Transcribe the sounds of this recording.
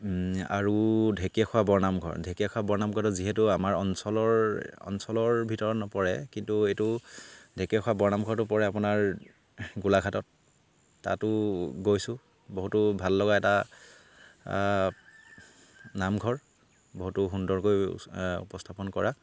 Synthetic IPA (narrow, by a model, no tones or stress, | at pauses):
a̰ɹudʱekiaxʰɔwabɔɹnamɡʱɔ̰ɹdʱekijakʰwabɔɹnamɡʰʱɔtɔziɦɛtʊamaɹɔnsɔlɔɹɔ̰nsɔlɔɹbʱitɔɹɔnɔpɔɹɛ̰kintuejtʊdʱekiɛkʰwabɔɹnamɡʱɔɹtʊpɔɹɛap̬ʊnaɹ | ɡulaɡʰʱatɔt̚ː | a̰tʊɡojsʊ̃ | boɦutʊbʱalːɔɡaɛta | namɡʱɔɹ | boɦutʊɦundɔɹkojṵpɔstʰapɔnkɔɹa